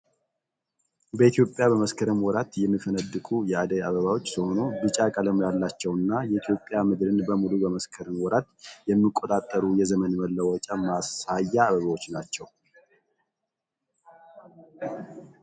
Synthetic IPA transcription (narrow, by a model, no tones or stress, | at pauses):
bəit̪ʰjo̞pʼjabəməskʰəɾəmwɔɾat̪jɛmːifənəd̪ːɨkʼujɛad̪əjaβəβawot͡ʃːsəho̞nobɨt͡ʃʼakʼaləmjalːat͡ʃːɛwɨnːajɛʔit̪ʰjo̞pʼːjamɨd̪ɾɨnbəmulubəməskʰəɾəmwɔɾat̪jɛmːikʼːot̪ʼat̪ʼːəɾujɛzəmənməlːəwɔt͡ʃʼamasajːaːβəβawo̞t͡ʃːnat͡ʃːɛw